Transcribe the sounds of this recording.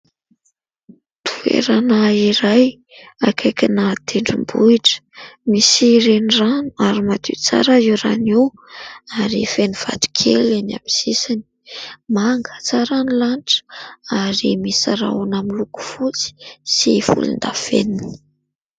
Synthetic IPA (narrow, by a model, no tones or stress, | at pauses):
t̪ʰu̥ḛɾanaiɾaj | akʰajkʲinat̪ʰeɳɖ͡ʐumbuiʈ͡ʂə̥misiɾeniranu̥aɾimat̪ḭt͡sa̰ɾaiwɾaniw | aɾifeniv̥a̰t̪u̥kʰelena̰miz̥isani̥maŋɡə̥t͡saɾanilanʈ͡ʂə̥aɾimisaɾa̰unamiluku̥fut͡si̥sifṵlṵnd̪afḛni